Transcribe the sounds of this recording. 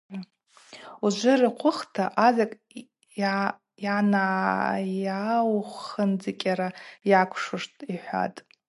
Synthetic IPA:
uʒʷɪrɨqʷʰʊχtʰaʔazakʼ | a | janajawχʷənd͡zɨkʲʼaɾajakʷʰʂʊʂtʼiħʷa̰tʼ

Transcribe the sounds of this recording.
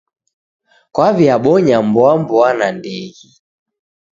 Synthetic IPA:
kwaviaɓɔɲambɔambɔanandɛɣi

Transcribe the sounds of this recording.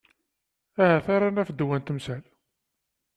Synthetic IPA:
æhæθaɾˤanæfəd̪ːwænt̪əmsæl

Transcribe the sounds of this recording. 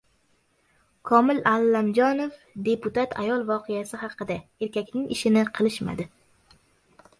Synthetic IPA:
kʰɒmɪlalːamd͡ʒɒnof | d̪e̞pʊt̪at̪ʰa̰jɒlˠvɒqʰejasɪhɑqɨd̪ae̞ɾkʲakʲnɪŋɪʃɪnɪqʰɨlˠɪʃma̰d̪ɪ

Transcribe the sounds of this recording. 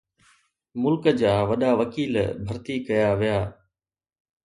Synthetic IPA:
mʊlkəd͡ʑaːʋɐɗaʋɐkiːlbʱɐɾt̪ikɐjaʋijaː

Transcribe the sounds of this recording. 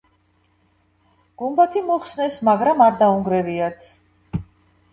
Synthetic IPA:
ɡ̥umbat̪ʰimɔχsnɛsmaɡɾamaɾd̪auŋɡɾɛviat̪ʰ

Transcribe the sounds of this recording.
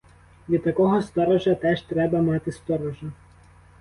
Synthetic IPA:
jʲit̪ɐkɔɦɔst̪ɔɾɔʒɐt̪ʲɛʃt̪ʲɾʲɛbɐmɑːt̪ʲɪst̪ɔɾɔʒɐ

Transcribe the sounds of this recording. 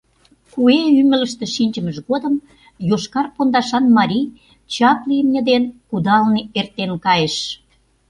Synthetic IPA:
kueymə̆lə̆ʃt̪ĕʃinʲt͡ɕə̆məʃɣod̪əm | joʃkɑrpond̪ɑʃɑnmɑɾʲij | t͡ɕɑpliəmnʲə̆d̪enkud̪ɑlneert̪enkɑjeʃ

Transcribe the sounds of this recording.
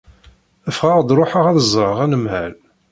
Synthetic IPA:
əfʁəʁd̪ɾˤoħəʁæðəzˤːɾˤəʁænəmhæl

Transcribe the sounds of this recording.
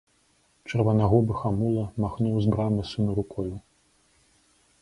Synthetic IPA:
t͡ʂɐrvɐnaɣɔbɨxamulˠɐmaxnuwzbɾamɨsʲumɨɾukɔju

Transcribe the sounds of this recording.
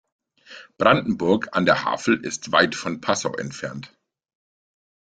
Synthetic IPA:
b̥ʁandn̩bʊɐkʰandeːɐha̰ːfl̩ʔɪ̰stv̥aɪtfɔnpʰasa̰ʊʔɛ̰ntfɛɐnt

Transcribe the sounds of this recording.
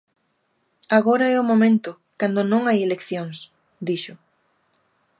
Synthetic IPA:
aɣoɾɐɛʊmomẽnt̪ʊ | kand̪ʊnõŋajelekθjoŋs | d̪iʃʊ

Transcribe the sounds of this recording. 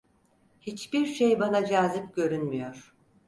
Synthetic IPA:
hit͡ʃbiɾʃejbanad͡ʒaːzipɟø̞ɾynmyjo̞ɾ̥

